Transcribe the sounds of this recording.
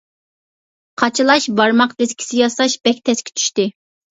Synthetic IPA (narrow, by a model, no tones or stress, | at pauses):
qʰɑt͡ʃʰɨlˠɑʃbɑɾmɑqd̪̥ɛskʲʰi̥sɪjɑsɑʃbɛkʲt̪ʰɛskʲʰi̥t͡ʃʰy̥ʃt̪ɪ